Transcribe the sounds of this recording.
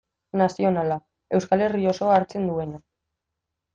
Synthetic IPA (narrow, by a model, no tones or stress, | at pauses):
nasio̞nala | e̞wskale̞rio̞so̞aːɾt͡se̞nd̪ue̞na